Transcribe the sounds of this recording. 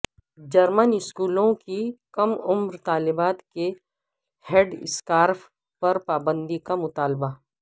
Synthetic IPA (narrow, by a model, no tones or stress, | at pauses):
d͡ʒɐɾmənɪskuːlõkikɐmʊmɾt̪aːlɪbaːt̪ke | heɖɪ̰skaːɾp | pɐɾpaːbə̃nd̪ikamʊt̪aːlba